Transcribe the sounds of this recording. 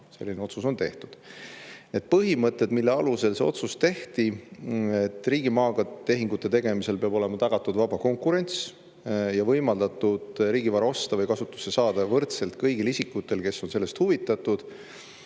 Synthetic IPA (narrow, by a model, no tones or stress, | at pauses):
se̞lːineo̞t̪suso̞nt̪e̞ht̪ud̪̥ned̪̥̚pɤɦimɤt̪ːˑe̞d̪̥milːe̞ɑluse̞lse̞o̞̰t̪sust̪e̞ht̪i | et̪ːˑriːɡimɑːɡɑt̪e̞ɦiŋɡ̥ut̪ːˑe̞t̪e̞ɡ̥e̞mise̞lpeɑbo̞le̞mɑt̪ɑɡ̥ɑt̪ˑːud̪vɑb̥ɑko̞ŋkuɾe̞nʲt̪s | jɑvɤjmɑld̪ɑt̪ːˑud̪̥ɾiːɡivɑɾɑo̞st̪ɑvɤjkɑsut̪ːˑu̥sːesɑːd̪̥ɑvɤrt̪se̞lt̪kɤjɡilisʲikːˑut̪ːˑe̞lke̞sːo̞nse̞lːe̞st̪huvit̪ˑːɑt̪ːud̪̥